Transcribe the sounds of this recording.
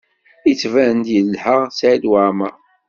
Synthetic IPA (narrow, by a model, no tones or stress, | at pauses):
it͡sːvænd̪jəlːħəʁsʕid̪waʕmæ